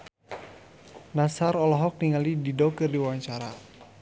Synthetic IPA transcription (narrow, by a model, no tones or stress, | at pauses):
nasaɾɔlɔɦɔk̚niŋalididɔkərdiwawaɲt͡ʃaɾa̰